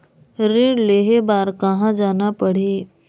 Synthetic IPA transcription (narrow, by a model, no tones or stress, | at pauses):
ɾiɽleɦebaːɾkəɦãd͡ʒaːnapəɽ̤iː